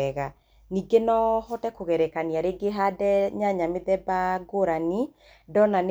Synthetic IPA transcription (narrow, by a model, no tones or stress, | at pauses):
ɛɣa | niɡenɔhɔtɛkoɣɛɾɛkaniaɾeɡeɦadɛɲaɲameðɛbaɡoɾani | dɔnan